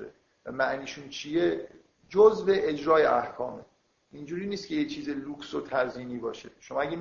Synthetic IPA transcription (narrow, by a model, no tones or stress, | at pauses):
ḛ | væmæʔniːʃuːnt͡ʃʰije | d͡ʒozve̞ʔed͡ʒɾɒːjeʔæhkʰɒːmḛ | ʔind͡ʒuːɾiːniːst̪kʰʲe̞jet͡ʃʰiːzeluːksot̪ʰæɾziːniːbɒːʃeʃomɒːæɡʲe